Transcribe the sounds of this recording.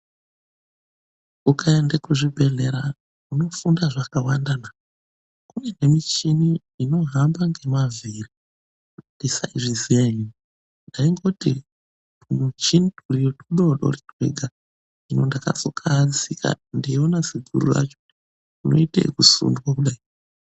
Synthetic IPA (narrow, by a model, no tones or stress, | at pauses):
ukaendekuʐibʱeɮeɾa | uno̞fundaʐakawandana | kunene̞mit͡ʃiniː | no̞ɦambaŋɡe̞maviri | kundisaiʐizijaiːni | ndaiŋɡo̞ti | punot͡ʃinduriotuɗoɗo̰ridwḛɡʱa | inondaka̰sokʰaːd͡zikʰa̰ndionasiɡʱuɾṵra̰t͡ʃo̥ | uno̞̰itḛikusṵndukwakuɗai